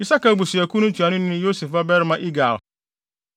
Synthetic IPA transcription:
i˨sa˦ka˨bu˨si˨æ˨kʰũ˦nʊ̃˦t͡ɕʰu˨a˨nʊ̃˦nɪ̃˦nɪ̃˦jo˦se˨fa˦bɛ˦ɾmã˦ʔi˦ɡa˨l

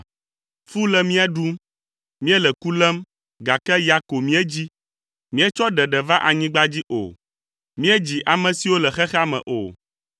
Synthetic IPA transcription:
fu˦lɛ˨mĩ˦ɛ˦ɖu˦m | mĩ˦ɛ˦lɛ˨ku˦lɛ˦m | ɡa˨kɛ˦ja˨ko˨mĩ˦ɛ˦d͡ʑi˦ | mĩ˦ɛ˦t͡ʃɔ˦ɖɛ˨ɖɛ˨va˦ʔa˨ɲĩ˦ɡ͡ba˦d͡ʑi˦ʔo̰˨ | mĩ˦ɛ˦d͡ʑi˨ʔa˨mɛ̃˨si˨wo˦lɛ˨xɛ˦xa˦mɛ̰̃˨ʔo̰˨

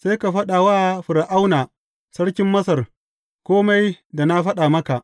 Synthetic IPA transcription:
sa˦jka˨ɸɐ˦ɗa˨waː˦ɸɪ˨ɽʔa˦wnaː˨ | sɐ˦ɽkʲɪ˦mːɐ˦sɐ˨r | kʷoː˦ma˦jda˨na˦ɸɐ˦ɗa˨mɐ˦ka˨ʔ

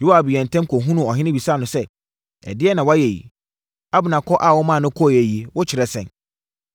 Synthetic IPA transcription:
jo˦a˨bɪ˨jɛ̃˨n̩˨tʰɛ̃˦mkʰɔ˨ɦũ˦nũ˦ɔ˨ɦɪ̃˦nɪ̃˦bi˨sa˦˨nʊ̃˨sɛ˦ | ɛ̰˨dɪ˦ɛ˦nã˨wa˦jɛ˨jḭ˨ | a˦bʊ˨nã˨kʰɔ˦ʔa˨wɔ˦mã˦˨nʊ̃˦kʰɔ˦˨jɛ˨ji˨wʊ˦t͡ɕʰɪ˨ɾɛ˦sɛ̃˨n

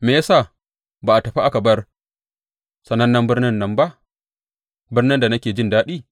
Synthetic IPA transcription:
meː˨ja˦saː˦˨ | baː˨ʔa˨tɐ˨ɸi˦ʔa˦kɐ˨bɐ˦r | sɐ˨nɐ˦nːɐ˦mbɪ˦rnɪ˦nːɐ˨mba˦ʔ | bɪ˦rnɪ˦nda˨na˦kʲeː˨d͡ʒɪ˦˨ndaː˦ɗiː˦

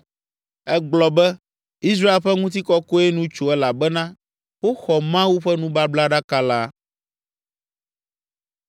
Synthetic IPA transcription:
ɛ˦ɡ͡blɔ˨bɛ˦ | i˦s̬ɾa˦e˨lɸɛ˦ŋũ˦t̪̬i˦kɔ˦ko˦e˦nũ˦t͡ʃo˨ɛ˦la˨bɛ˦nã˦ | wo˦xɔ˨mã˦wu˦ɸɛ˦nũ˦ba˦bla˦ɖa˦ka˦la˦

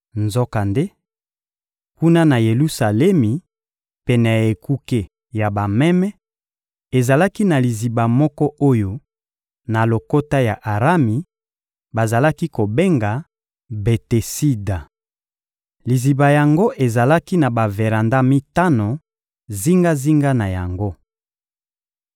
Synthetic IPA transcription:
nzo˦ka˨nde˦ | ku˦na˦na˨je˨lu˦sa˨lɛ˦mi˨ | pɛ˨nɛ˨e˨ku˦ke˦ | ja˨ba˨mɛ˦mɛ˦ | e˨za˨la˦ki˦na˨li˨zi˨ba˨mɔ˦kɔ˦ʔo˦jo˦ | na˨lo˨ko˦ta˦ja˨ʔa˨ʁa˦mi˨ | ba˨za˨la˦ki˦ko˨be˦ŋɡa˨ | be˨te˨si˦da˨ | li˨zi˨ba˨ja˨ŋɡo˦ʔe˨za˨la˦ki˦na˨ba˨ve˨ʁa˨nda˦mi˦ta˦no˨ | zi˦ŋɡa˦zi˦ŋɡa˦na˨ja˨ŋɡo˦

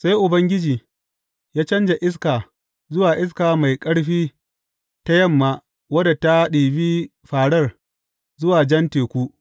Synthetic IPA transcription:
sa˦jʔʊ˨bɐ˦ŋɡʲɪ˦d͡ʒiː˨ | jaː˦t͡ʃɐ˦nd͡ʒa˨ʔɪ˦s̬kaː˨ | zʊ˦waː˨ʔɪ˦s̬kaː˨ma˨jkʼɐ˦ɽɸiː˦ | ta˦jɐ˦˨mːaː˨ | wɐ˦da˨ta˦ɗiː˨biː˦ | ɸaː˨ɽɐ˦r | zʊ˦waː˨d͡ʒɐ˦nteː˨kʷu˦

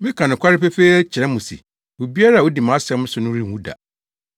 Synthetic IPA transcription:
mɪ̃˦kʰa˨nʊ̃˨kʷʰa˦ɾɪ˦pɛ˦fe˦t͡ɕʰɪ˨ɾɛ̃˦mʊ̃˨sḭ˨ | o˨bi˦a˦ɾa˦˨o˦di˨mã˨˦sɛ̃˦m̃˦sʊ˨˦nʊ̃˦ɾĩ˦˨wũ˦da̰˨

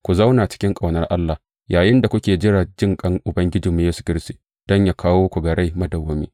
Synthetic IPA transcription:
kʷu˨za˦wna˨t͡ʃɪ̥˦kʲɪ˦ŋkʼa˨wnɐ˦rʔa˦lːa˨ | jaː˨jɪ˦nda˨kʷʊ˦kʲeː˨d͡ʒɪ˦ɽaː˨d͡ʒɪ˦ŋkʼɐ˦ŋʔʊ˨bɐ˦ŋɡʲɪ˦d͡ʒiː˨mːi˦jeː˦su̥˨kʲɪ˦ɾstiː˨ | d̥ɔ˦ɲjaː˦kʰaː˦woː˦kʷu˨ɡɐ˨ɽe˦mɐ˦dɐ˨wːɐ˦mḭː˦

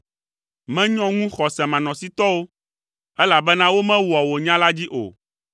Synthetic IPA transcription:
mɛ̃˦ɲɔ̃˦ŋũ˦xɔ˨sɛ˨mã˨nɔ̃˨si˦t̪ɔ˦wo˦ | ɛ˦la˨bɛ˦nã˦wo˦mɛ̃˦wɔ˨wo˨ɲã˦la˦d͡ʑi˦ʔo̰˨

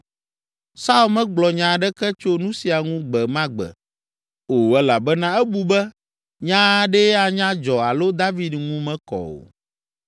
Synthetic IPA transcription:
sa˦u˦lmɛ̃˦ɡ͡blɔ˨ɲã˨ɖɛ˦kɛ˦t͡ʃo˦nũ˦si˨a˨ŋũ˦ɡ͡bɛ˨mã˦ɡ͡bɛ̰˨ | o˨ɛ˦la˨bɛ˦nã˦ɛ˦bu˨bɛ˦ | ɲã˦ɖɛ˦a˨ɲã˦d͡ʒɔ˨a˨lo˦d̪a˦vi˦dŋũ˦mɛ̃˦kɔ̰˨o̰˨

